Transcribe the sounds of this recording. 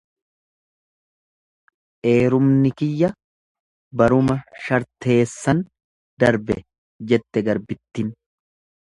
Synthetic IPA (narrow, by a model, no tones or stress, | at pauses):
ʔe̞ːɾʊmnɪkɪjːɐ | bɐɾʊmɐʃɐɾt̪e̞ːsːɐn | d̪̥ɐɾbɛ̰ | d͡ʒɛt̪ːɛɡɐɾbɪt̪ːɪn